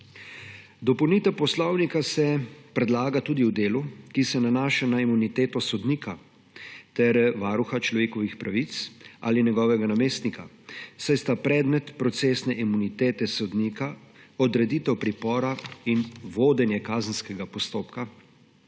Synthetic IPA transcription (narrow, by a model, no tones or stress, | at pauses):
d̪ɔpɔwniːt̪ɛwpɔslɔwnikasɛpɾɛd̪laːɡat̪uːd̪iwd̪eːlukisɛnanaːʃanaimunit̪eːt̪ɔsɔd̪niːka | t̪ɛɾʋaːɾuxat͡ʃlɔʋeːkɔʋixpɾaʋit̪sa̰ːlinɛɡɔːʋɛɡanameːst̪nika | sajst̪apɾɛːd̪mɛt̪pɾɔt̪seːsnɛʔimunit̪eːt̪ɛsɔd̪nikaɔd̪ɾɛd̪iːt̪ɛwpɾipɔːɾainʋoːd̪ɛnjɛkaːzənskɛɡapɔst̪oːpka